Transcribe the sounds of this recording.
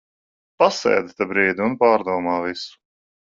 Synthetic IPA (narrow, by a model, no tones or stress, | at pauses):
pasɛ̰ːd̪t̪abɾiːd̪iunpaːɾd̪uɔmaːvisu̥